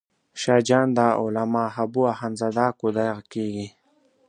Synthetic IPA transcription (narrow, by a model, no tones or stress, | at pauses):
ʃɑːd͡ʒɑːnd̪aolamaːɦabuahanzad̪aːkod̪ajɣkeːɡi